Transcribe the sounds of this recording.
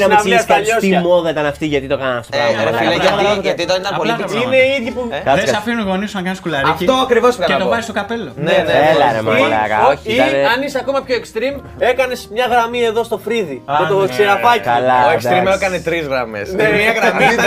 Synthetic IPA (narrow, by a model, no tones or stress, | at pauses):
nɐmnɐiɐsɐʎosiɐmoðɐit̪ɐnɐft̪iʝɐt̪it̪okɐnɐnɐft̪oɐlɐɐɐʝɐt̪it̪ɐnit̪ɐpoliineiðʝipukɐðesɐfinunɣo̞nisunɐkɐnskulɐɾift̪oɐkɾivoskɐteɐt̪opɐjst̪okɐpeloneelɐɾḛmiɾɐ̰kɐ̰oçiɐnɐnisɐko̞mɐpçoekst̪ɾim | e̞kɐne̞smɲɐɣɾɐmie̞ðo̞st̪o̞fɾiðiot̪osiɾɐpɐckɐlɐoekst̪ɾimekɐnet̪ɾizɣɾɐmesneiɣɾm